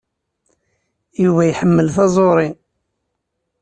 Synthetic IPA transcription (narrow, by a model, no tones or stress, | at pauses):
juvæjħəmːəlθɑzˤoɾˤi